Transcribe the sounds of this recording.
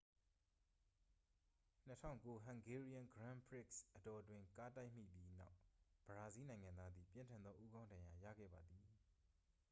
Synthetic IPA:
n̥ətʰã̰˦˨ʊ̃ŋko˦ɦã˨ŋɡɛ˦ɹi˦ã˦˨ŋɡɹã˦mbɹɪ˦˨ksʔətɔ˨twɪ̃˦ŋka˦ta˦ɪʔm̥ḭ˦˨pji˦na˦ʊb̥əɹa˨zi˦nã˨ɪ̃ŋã˨nd̪ða˦d̪ði˨pjɪ̃˦ntʰã˨nd̪ɔ˦ʔu˦ɡã˦ʊ̃ndã˨ja˨jä̰˦˨ɡɛ̰˦˨ba˨d̪ði˨

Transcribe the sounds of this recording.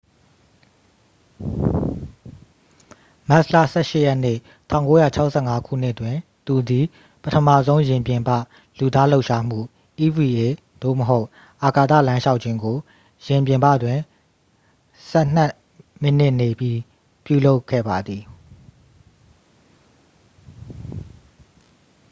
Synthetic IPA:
ma˦˨slä̰˦˨sɛ˦ʃɪ˦˨jɛ˦ʔn̥ḛ˦˨ | tʰã˦˨ʊ̃ŋko˦ja˦˨t͡ɕʰa˦ʊʔsʰɛ˦˨ŋa˦kʰṵ˦˨n̥ɪ˦ʔtwɪ̃˨ | t̪u˨d̪i˨ | pətʰəmä̰˦˨zõ˦ʊ̃jɪ̃˨mpjɪ̃˨mbä̰˦˨ | lu˨d̪a˦lo˦ʊʔʃa˦m̥ṵ˦˨ | ʔi˨vi˨ʔe˨ | d̪̥o̰˦˨məɦo˦ʊʔ | ʔa˨ka˨t̪ä̰˦˨lã˦ʃa˦ʊʔt͡ɕʰɪ̃˦ŋɡo˨ | jɪ̃˨mp̬jɪ̃˨mbä̰˦˨dwɪ̃˨ | sɛ˦n̥a˦ʔ | mɪ˦˨n̥ɪ̃˦˨ne˨bji˦ | pjṵ˦˨lo˦ʊkʰːɛ̰˦˨ba˨d̪ði˨

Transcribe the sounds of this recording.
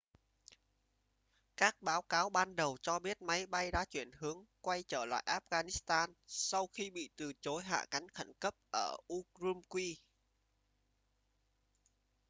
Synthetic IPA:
kaː˦˥k̚ɓaː˨˦wkaː˨˦wɓaː˧nɗə˨˩wt͡ɕɔ˧ɓi˦˥ət̚ma˨˦jɓa˧jɗaː˧˥t͡ɕwi˧˩ənhɨ˨˦əŋkwa˧jt͡ɕəː˧˩la̰ː˧˨jʔaː˦˥p̚ɣaː˧ni˦˥st̪aː˧nsa˧wxi˧ɓḭ˧˨t̪ɨ˨˩t͡ɕo˨˦jɦa̰ː˧˨ka˨˦jŋ̟xə˧˩nkə˦˥p̚ʔəː˧˩ʔu˧zu˧mkwi˧

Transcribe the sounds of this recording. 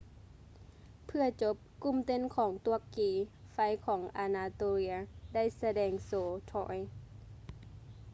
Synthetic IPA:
pʰɯ˧ɐt͡ɕo˧˦˥p̚ku˧˩˨mt̪e˧˥˨nkʰɔː˩˦ŋt̪u˧˥˨əkːiː˨˦fa˧˥jkʰɔː˩˦ŋʔaː˨˧naː˧t̪oː˧li˧˥ɐ˧da˥˩jsa˧dɛː˧ŋsoː˨˦t̪ʰɔ̰ː˧˩˦j

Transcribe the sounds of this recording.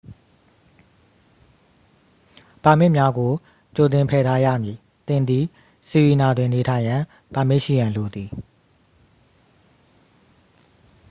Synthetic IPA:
pã˨mɪ˦ʔmja˦ɡo˨ | t͡ɕo˨t̪̬ɪ̃˨mpʰɛ˨tʰa˦jä̰˦˨mji˨ | t̪ɪ̃˨nd̪ði˨ | si˨ji˨na˨dwɪ̃˨ne˨tʰã˨ɪ̃jã˨ | pã˨me˦ʔʃḭ˦˨jã˨nlo˨d̪i˨

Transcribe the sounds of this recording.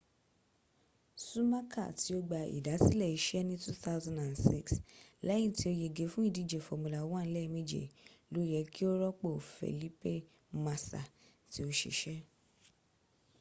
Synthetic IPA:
su˦ma˦kʰa̰˦˨ti˨˦o˦ɡ͡ba˧ḭ˨da˨˦si˦lɛ˦˨i˨˦ʃɛ˦nĩ˦tu˦θa˦wzã˨da˨nsi˦ksla˦ji˦˨ti˧˦o˧je˧ɡe˧˦fũ˦i˦˨di˨˦d͡ʒe˨fo˨mõ˧la˨wɔ̃˦n̩˦lɛ˦˧mĩ˦d͡ʒḛ˨lo˨˦jɛ˨˧ki˦o˦ɾɔ˦k͡po˦˨fḛ˨li˦pe˦˨ | ma˧sa̰˨ | ti˨˦o˧ʃḛ˨ʃɛ˦

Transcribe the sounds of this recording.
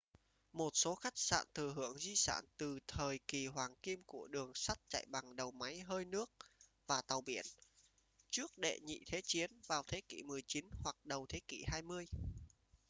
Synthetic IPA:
mo˨˩t̚so˨˦xa˦˥jk̟̚sa̰ː˧˨nt̪ɨ˨˩ɦɨ˧˩əŋzi˧sa̰ː˧˩nt̪ɨ˨˩t̪ʰəː˨˩jki˨˩hwaː˨˩ŋki˧mku˧˩əɗɨ˨˩əŋsa˦˥t̚t͡ɕa̰˧˨jɓa˨˩ŋɗə˨˩wma˨˦jɦəː˧jnɨ˦˥ək̚ | vaː˨˩t̪a˨˩wɓḭ˧˩ən | t͡ɕɨ˦˥ək̚ɗḛ˧˨ɲḭ˧˨t̪ʰe˨˦t͡ɕi˨˦ənvaː˨˩wt̪ʰe˨˦kḭ˧˩mɨ˨˩əjt͡ɕi˨˦nhwa˨˩k̚ɗə˨˩wt̪ʰe˨˦kḭ˧˩haː˧jmɨ˧əj

